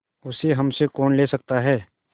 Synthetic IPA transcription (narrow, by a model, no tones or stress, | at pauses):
ʊseɦɐmsekɔːnleːsɐk̚t̪aɦɛː